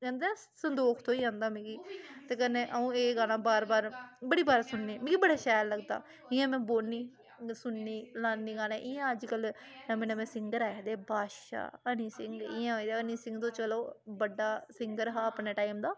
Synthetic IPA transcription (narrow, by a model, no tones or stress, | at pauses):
kɛ̃ːnd̪eːãː | sənd̪oːkʰt̪õːiːãːnd̪aːmĩːɡiːt̪eːkɛnẽːʔəũːeːɡaːlãːbaːɾbaːɾbəɽiːbaːɾsʊnːeːmĩːɡiːbəɽaːʃɛːɾləɡd̪a̰ː | ɪjãːmɛ̃ːboːniː | sʊnːiːlãːnːiːɡaːlẽːʔɪjãːəd͡ʒkəlnəmẽːnəmẽːsɪŋɡəɾɛːkd̪eːbʱaːʃa̰ːəniːsɪŋɡɪjãːod̪əniːsɪŋɡt̪õːt͡ʃəloːbəɖaːsɪŋɡəɾɦaːəpneːʈaːɪmd̪aː